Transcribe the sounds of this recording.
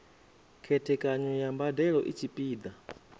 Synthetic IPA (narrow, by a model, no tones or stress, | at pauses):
kʰɛtʰɛkʼaɲɔjambadɛɺɔʔit͡ʃʰipʼiːd̪a